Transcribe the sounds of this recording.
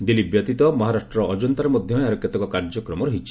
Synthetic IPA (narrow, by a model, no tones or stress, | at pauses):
d̪ilibjɔt̪it̪ɔmɔɦaɾaʃʈɾɔʔɔd͡ʒɔnt̪aɾemɔd̪ʱjɔaɾɔkjɔt̪ɔkɔkaɾd͡ʒɔkɾɔmɔɾuɦit͡ʃi̥